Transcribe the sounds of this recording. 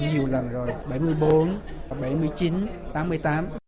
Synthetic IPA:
ɲi˨˩əwlə˨˩nzo˨˩jɓa˧˩jmɨ˧˩əjɓo˨˦n˩ɓa˧˩jmɨ˧əjt͡ɕi˨˦nt̪aː˨˦mːɨ˧əjt̪aː˨˦m

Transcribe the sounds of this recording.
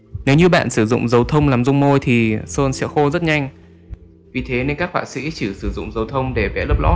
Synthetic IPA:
ne˨˦wɲɨ˧ɓa̰ː˧˨nsɨ˧˩zʊ̰˧˨ŋ͡mzə˨˦wt̪ʰə˧wŋ͡mlaː˨˩mzʊ˧wŋ͡mmo˧jt̪ʰi˨˩soː˧nsɛ̰˧˥xo˧zə˦˥t̚ɲa˧jŋ̟ | vi˨˩t̪ʰe˨˦ne˧nkaː˦˥k̚fwa̰ː˧˥˩sḭ˧˥t͡ɕɨ˧˩sɨ˧˩zʊ̰˧˨ŋ͡mzə˨˦wt̪ʰə˧wŋ͡mɗe˧˩vɛ̰˧˥ləː˦˥p̚lɔ˨˦

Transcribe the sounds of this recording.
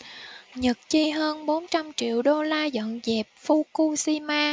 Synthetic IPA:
ɲə˨˩t̚t͡ɕi˧ɦəː˧nɓo˨˦nt͡ɕa˧mt͡ɕḭ˧˨əwɗo˧laː˧zə̰˧˨nzɛ˨˩p̚fu˧ku˧si˧maː˧

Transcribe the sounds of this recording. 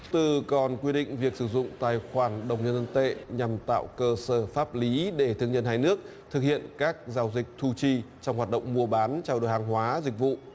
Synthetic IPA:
t̪ɨ˨˩kɔ˨˩nkwi˧ɗḭ̈˧˨ŋ̟vi˨˩ək̚sɨ˧˩zʊ̰˧˨ŋ͡mt̪aː˨˩jxwaː˧˩nɗə˨˩wŋ͡mɲə˧nt̪ʰə˧nt̪ḛ˧˨ɲa˨˩mt̪a̰ː˧˨wkəː˧səː˧˩faː˦˥p̚li˨˦ɗe˧˩t̪ʰɨ˧əŋɲə˧nhaː˧jnɨ˦˥ək̚ | t̪ʰɨ˨˩k̚hḭ˧˨ənkaː˦˥k̚zaː˧˦wzï˨˩k̟̚t̪ʰu˧t͡ɕi˧t͡ɕɔ˧wŋ͡mhwaː˨˩t̚ɗə̰˧˨wŋ͡mmu˧əɓaː˨˦nt͡ɕa˧wɗo̰˨˧˨jɦaː˨˩ŋɦwaː˨˦zi˨˩k̟̚vṵ˧˨

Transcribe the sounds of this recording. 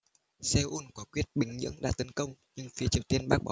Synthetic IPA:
sɛ˧ʔu˧nkaɔ˨˦kwi˦˥ət̚ɓï˨˩ŋ̟ɲɨ̰˧˥əŋɗa̰ː˧˥t̪ə˨˦nkə˧wŋ͡mɲɨ˧ŋfi˨˦ət͡ɕi˨˩əwt̪i˧ənɓaː˦˥k̚ɓa̰˨˦

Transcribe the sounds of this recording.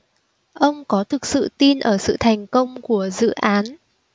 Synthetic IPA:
ʔə˧wŋ͡mkɔ˨˦t̪ʰɨ˨˩k̚sɨ̰˧˨t̪i˧nʔəː˧˩sɨ̰˧˨t̪ʰa˨˩jŋ̟kə˧wŋ͡mku˧˩əzɨ̰˧˨ʔaː˨˦n

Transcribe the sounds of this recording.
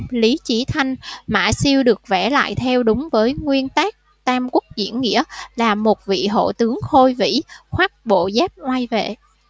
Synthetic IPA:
li˨˦t͡ɕi˨˦t̪ʰa˧jŋ̟ma̰ː˧˩˨si˧əwɗɨ˨˩ək̚vɛ˧˩la̰ː˧˨jt̪ʰɛ˧wɗʊ˨˦ŋ͡mvəː˨˦jŋwi˧ənt̪aː˦˥k̚ | t̪aː˧mku˦˥k̚zḭ˧˩ənːḭ˧˥əlaː˨˩mo˨˩t̚vḭ˧˨ɦo̰˧˨t̪ɨ˨˦əŋxo˧jvḭ˧˥xwaː˦˥t̚ɓo̰˧˨zaː˦˥p̚ʔwa˧jvḛ˧˨

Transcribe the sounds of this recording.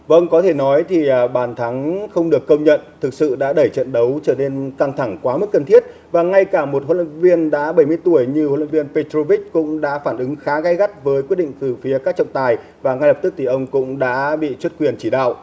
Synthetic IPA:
və˧nkɔ˨˦t̪ʰe˧˩nɔ˨˦jt̪ʰi˨˩˨ɓaː˨˩nt̪ʰa˨˦ŋxə˧wŋ͡mɗɨ˨˩əkːə˧wŋ͡mɲə̰˧˨nt̪ʰɨ˨˩k̚sɨ̰˧˨ɗa̰ː˧˥ɗə˧˩jt͡ɕə̰˧˨nɗə˨˦wt͡ɕəː˧˩ne˧nka˧ŋt̪ʰa˧˩ŋkwaː˨˦mə˦˥t̚kə˨˩nt̪i˦˥ət̚ | vaː˨˩ŋa˧jkaː˧˩mo˨˩t̚ho̰˧˨lwə̰˧˨nvi˧ənɗa̰ː˧˥ɓə˧˩jmɨ˧əjt̪u˧˩əjɲɨ˧ho̰˧˨lwə̰˧˨nvi˧ənpe˧t̪ɾo˧vi˦˥k̚kʊ̰˧˥ŋ͡mɗa̰ː˧˥faː˧˩nʔɨ˨˦ŋxaː˨˦ɣa˧jɣa˦˥t̚vəː˨˦jkwi˦˥t̚ɗḭ˧˨ŋt̪ɨ˨˩fi˨˦əkaː˦˥k̚t͡ɕɔ̰˧˨wŋ͡mt̪aː˨˩j | vaː˨˩ŋa˧jlə˨˩p̚t̪ɨ˦˥k̚t̪ʰi˨˩ʔə˧wŋ͡mkʊ̰˧˥ŋ͡mɗa̰ː˧˥ɓḭ˧˨t͡ɕwt̚kwi˨˩ənt͡ɕi˧˩ɗa̰ː˧˨wʔ

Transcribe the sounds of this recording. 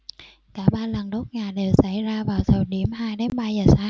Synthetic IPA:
kaː˧˩ɓaː˧lə˨˩nɗo˦˥t̚ŋaː˨˩jɗe˨˩wsa˧˩jzaː˧vaː˨˩wt̪ʰəː˨˩ɗi˧˩əmhaː˧jɗe˨˦nɓaː˧zəː˨˩saː˨˦

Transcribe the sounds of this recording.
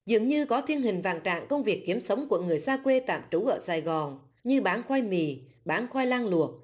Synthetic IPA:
zɨ̰˨˩əŋɲɨ˧kɔ˨˦t̪ʰi˧ənhï˨˩ŋ̟va̰ː˧˨nt͡ɕa̰ː˧˨ŋkə˧wŋ͡mvi˨˩əkːi˨˦əmsə˨˦wŋ͡mku˧˩əŋɨ˨˩əjsaː˧kwe˧t̪a̰ː˧˨mt͡ɕu˨˦ʔəː˧˩saː˧˩jɣɔ˨˩n | ɲɨ˧ɓaː˨˦nxwaː˧jmḭ˧˨˩ | ɓaː˨˦nxwaː˧jlaː˧ŋlu˨˩ət̚

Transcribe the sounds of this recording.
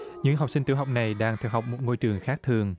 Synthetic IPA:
ɲɨ̰˧˥ŋɦa˨˩wk͡p̚sï˧ŋ̟t̪i˧˩˦ɦa˨wk͡p̚na˨˩jɗaː˧ŋt̪ʰɛ̰ː˧˩wɦa˨˩wk͡p̚mo˨˩t̚ŋo˧jt͡ɕɨ˨˩əŋxaː˦˥k̚t̪ʰɨ˨˩əŋ

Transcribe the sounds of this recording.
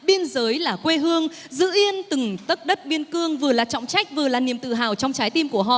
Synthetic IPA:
ɓi˧ənzəː˨˦jlaː˨˩kwe˧ɦɨ˧əŋ | zɨ̰˧˥ʔi˧ənt̪ɨ˨˩ŋt̪ə˦˥t̚ɗə˦˥t̚ɓi˧ənkɨ˧əŋvɨ˨˩əlaː˨˩t͡ɕɔ̰˧˨wŋ͡mt͡ɕa˦˥jk̟̚vɨ˨˩əlaː˨˩ni˨˩əmt̪ɨ̰˧˨ɦaː˨˩wt͡ɕɔ˧wŋ͡mt͡ɕaː˨˦jt̪i˧mku˧˩əɦɔ̰˧˨

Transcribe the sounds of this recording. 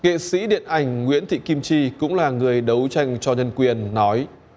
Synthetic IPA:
ŋḛ˧˨sḭ˧˥ɗḭ˧˨ənʔa˨˩jŋ̟ŋwḭ˧˥ənt̪ʰḭ˧˨ki˧mt͡ɕi˧kʊ̰˧˥ŋ͡mlaː˨˩ŋɨ˨˩əjɗə˨˦wt͡ɕa˧jŋ̟t͡ɕɔ˧ɲə˧nkwi˨˩ənːɔ˨˦j

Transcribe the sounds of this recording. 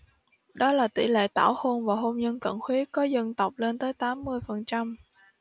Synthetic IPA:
ɗɔ˨˦laː˨˩t̪ḭ˧˩lḛ˧˨t̪a̰ː˧˩wxo˧nvaː˨˩ɦo˧mɲə˧nk̪ə̰˧˩nxwi˨˦kɔ˨˦zə˧nt̪ə˨˩wk͡p̚le˧nt̪əː˨˦jt̪aː˨˦mːɨ˧əjfə˨˩nt͡ɕa˧m

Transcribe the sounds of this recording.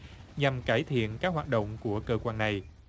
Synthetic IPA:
ɲa˨˩mkaː˧˩jt̪ʰḭ˧˨ənkaː˦˥k̚ɦwaː˨t̚ɗo̰˧˨wŋ͡mku˧˩əkəː˧kwaː˧nːa˨˩j

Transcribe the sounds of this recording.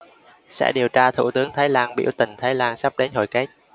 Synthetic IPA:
sɛ̰˧˥ɗi˨˩əwt͡ɕaː˧t̪ʰu˧˩t̪ɨ˨˦əŋt̪ʰaː˨˦jlaː˧ŋɓḭ˧˥wt̪ï˧˩ŋ̟t̪ʰaː˨˦jlaː˧ŋsa˦˥p̚ɗe˨˦nho˧˩jka˦˥k̚

